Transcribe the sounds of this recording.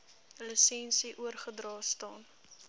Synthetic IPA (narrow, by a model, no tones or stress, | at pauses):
ləsɛnsiʔuərχədrɑːstɑːn